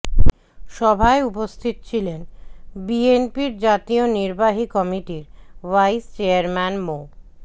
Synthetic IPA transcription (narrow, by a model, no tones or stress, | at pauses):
ʃɔbʱaeupost̪ʰit̪ot͡ɕʰilenbienpiɾd͡ʑat̪ioniɾbaɦikɔmiʈiɾwajst͡ɕeaɾmɛnmo